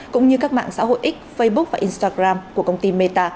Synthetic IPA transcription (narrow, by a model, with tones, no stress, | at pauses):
kʊ̰˧˥ŋ͡mɲɨ˧kaː˦˥k̚ma̰ː˧˨ŋsa̰ː˧˥ho̰˧˨jʔï˦˥k̟̚fə˧jɓʊ˦˥k̚vaː˨˩ʔi˧nst̪aː˧ɣɾaː˧mku˧˩əkə˧wŋ͡mt̪i˧me˧t̪aː˧